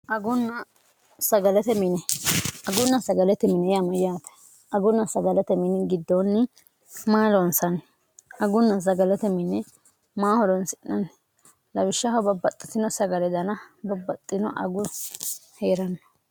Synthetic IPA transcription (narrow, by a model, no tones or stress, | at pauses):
ʔɐɡʊnːɐ | sɐɡɐlɛt̪ɛmɪnɛɐɡʊnːɐsɐɡɐlɛt̪ɛmɪnɛjamɐjaːt̪ɐ̥ | ɐɡʊnːɐsɐɡɐlɛt̪ɛmɪnɪɡɪd̪ːonːɪ | maːlɔnsɐn | ɐɡʊnːɐs̬ɐɡɐlɛt̪ɛmɪnːɛ | maːhɔd̪ɔnsɪnːɐn | lɐwɪʃːɐhɐbɐbːɐt̪ʼːɪ̥t̪ɪnɔsɐɡɐlɛd̪ɐnɐbɐbːɐt̪ʼːɪnɔ̰ʔɐ̰ɡʊ | heːɾɐnːɔ̥